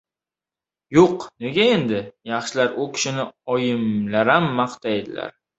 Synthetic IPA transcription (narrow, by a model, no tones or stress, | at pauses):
joqneɡʲae̞nd̪ɪjɑχʃɪlaɾʊkʲʰɪ̥ʃɪnɪɒjɪmlaɾamːɑqt̪ʰajed̪ɪla̰ɾ